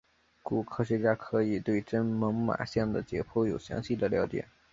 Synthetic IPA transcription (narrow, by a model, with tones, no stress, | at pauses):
ku˨˩kʰɤ˥ɕɥɛ˧˥t͡ɕja˥kʰɤ˧˥i˨˩t̪we˥˩ɪʈ͡ʂə˥nmɤ˧˥ŋma̰˨˩ɕjɛ˥˩ŋd̪ə˩t͡ɕjɛ̰˧˥pʰɔ˥˩jo˨˩ʊɕjɑ̰˧˥ŋɕi˥˩d̪ə˩ljɑ˧˥ʊt͡ɕjɛ̰˨˩˦